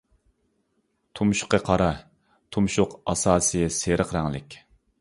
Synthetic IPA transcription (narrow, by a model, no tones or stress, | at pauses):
t̪ʰumʃʊ̥qəqʰɑɾɑ | t̪ʰumʃʊqɑsɑːsɨjseɾəqɾæŋlɪ̰kʲ